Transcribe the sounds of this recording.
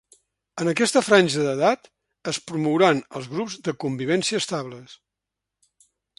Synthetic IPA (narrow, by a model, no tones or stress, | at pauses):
ənəkɛst̪əfɾanʲʒəðəðat̪ | əspɾumuwɾanə̰lˠzɣɾubzðəkumbiβ̞ɛnsiəːst̪aβləs